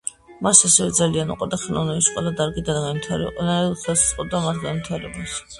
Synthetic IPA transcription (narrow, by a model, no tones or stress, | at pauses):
masasɛvɛd̪zalianṵqʼɔd̪aχɛlˠɔ̰vnɛbiʃqʼwɛ̰lˠad̪aɾɡid̪aɡait̪ʰalanailˠχɛlˠsi̥sʼqʼɔd̪amat̪ʰɡanwit̪ʰaɾɛbas